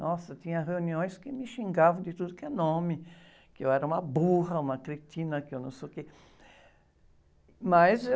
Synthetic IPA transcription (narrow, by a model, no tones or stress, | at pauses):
nɔsɐt̪ĩɲɐʁeuniõj̃skɪmɪʃĩŋɡavɐ̃d̪ɪt̪ud̪ʊkɪɛnõmɪ | kɪewɛɾɐũmɐbuhɐũmɐkɾet͡ʃ̪ĩnɐkɪewnɐ̃w̃seke | mɐze